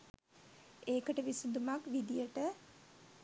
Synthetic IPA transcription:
eːkəʈəʋisud̪umakʋid̪ijəʈə

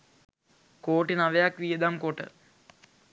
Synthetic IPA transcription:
koːʈinaʋejakʋijəd̪amkoʈə̰

